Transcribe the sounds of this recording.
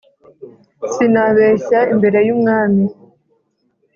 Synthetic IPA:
sinaβeːɕaimbe̞ɾe̞jumŋaːmi

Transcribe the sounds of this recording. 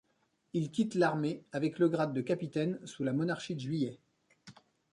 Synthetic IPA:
ilkʲit̪laʁmeavɛkləɡʁad̪ːəkapit̪ɛnsulamɔnaʁʃid̪əʒɥijɛ

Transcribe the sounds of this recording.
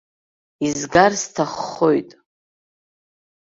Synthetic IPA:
izɡarstʰaχːo̞jtʼ

